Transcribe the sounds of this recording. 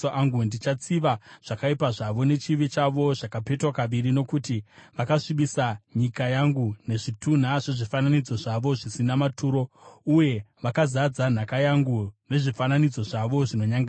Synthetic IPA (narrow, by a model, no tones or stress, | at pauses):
ʔaŋɡundit͡ʃat͡siʋaʐ̥akaipaʐaʋo̞ne̞t͡ʃiʋet͡ʃaʋo̞ʐakape̞twakaʋiɾino̞kutiʋakaʂiɓisaɲikajaŋɡune̞ʐitun̤aʐe̞ʐifananid͡zo̞ʐaʋo̞ʐisinamatʰuːɾo̞uje̞ʋakazad͡zan̤akajaŋɡune̞ʐifananid͡zo̞ʐaʋo̞ʐino̞ɲaŋɡa